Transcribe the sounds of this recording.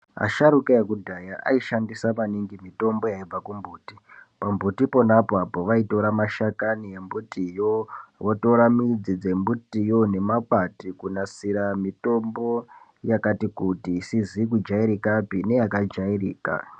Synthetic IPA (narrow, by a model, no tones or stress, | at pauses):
a̰ʃaɾukajekudʱajaʔa̰iʃandisamaniŋɡimito̞mbo̞jaib͡vakumbuːti | pambutipo̞napoapo̞ʋaito̞ɾamaʃakanijembutijoʋotoɾamid͡zid͡ze̞mbutijo̞ne̞mak͡patikunasiɾamito̞mbo̞ | jakatikutisizik̬ud͡ʒaiɾikapine̞jakad͡ʒairiːka̰